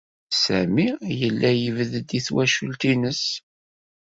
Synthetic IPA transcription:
sæmijəlːæjəvəðd̪iθwæʃult̪inəs

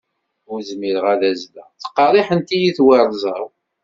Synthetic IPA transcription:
uzmiɾəʁæðæzlæ̰θə̥qːɑɾˤiħənt̪ijiθwɑɾˤzˤəw

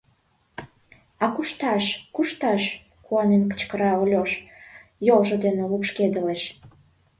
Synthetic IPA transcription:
ɑkuʃt̪ɑʃkuʃt̪ɑʃ | kuɑnenkə̥t͡ɕkəɾɑolʲoʃjolʒŏd̪enelupʃked̪əleʃ

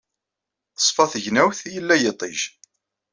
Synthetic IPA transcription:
əsˤfɑθəʝnæwθjəlːæjət̪ˤeʒ

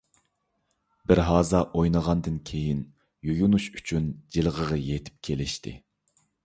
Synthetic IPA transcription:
bɪɾɦɑːzɑʔojnəʁɑnd̪ɨnkʲʰejin | jojunuʃyt͡ʃʰynd͡ʒelˠʁəʁɑjet̪ʰɪ̥p̚kʲʰelɪʃt̪ʰɪ̰

